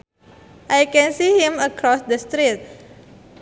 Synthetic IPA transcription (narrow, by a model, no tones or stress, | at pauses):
ʔajkɛ̃nsihĩməkɾɔsdəst̪ɾit̚